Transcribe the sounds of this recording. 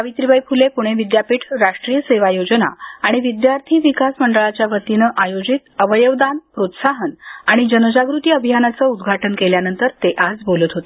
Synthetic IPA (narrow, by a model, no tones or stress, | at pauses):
pəʋit̪ɾibəjpʰulepuɽ̃eʋid̪japiʈʰɾaʂʈɾijəseʋajod͡ʑəna̰aɽ̃iʋid̪jaɾt̪ʰiːʋikasməɳɖəɭat͡ɕjaʋət̪inəʔajod͡ʑit̪əʋəjəʋd̪anpɾot̪saɦənaɽ̃id͡ʑənəd͡ʑaɡɾut̪iːəbʱijanat͡səud̪ɡʱaʈənkeljanənt̪əɾt̪eʔad͡zbolət̪ɦot̪e